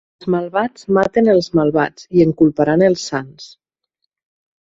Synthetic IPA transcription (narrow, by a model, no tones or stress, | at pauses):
zmalˠβat͡smat̪enəlˠzmalˠβa̰t͡sieŋkulˠpaɾanəlˠsːans